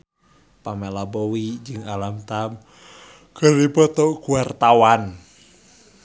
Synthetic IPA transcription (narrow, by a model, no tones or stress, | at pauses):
pamɛlabɔwid͡ʒɨŋalamt̪am | kəɾipɔt̪ɔkuart̪awan